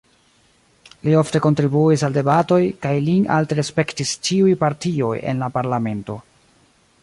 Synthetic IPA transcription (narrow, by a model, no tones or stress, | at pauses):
lio̞fte̞ko̞ntɾibuisalde̞bato̞jkajliŋʔa̰ltɾespe̞ktist͡ʃiujpaɾtio̞jḛnlapaɾlame̞nto̞